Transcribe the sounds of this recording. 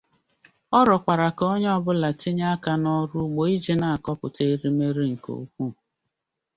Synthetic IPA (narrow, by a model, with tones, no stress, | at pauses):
ɔ˦ɾɔ˨kʷa˨ɾa˨kɔ˦ɲ˦ɔ˦bʊ˦la˨ti˦ɲa˦a˦ka˦nɔ˦ɾu˦ɡ͡bo˨i˦d͡ʒi˦na˨a˨kɔ˦pʊ˨te˦ɾi˦me˦ɾi˦ŋ̩˨ko̰˨˦kʷu˦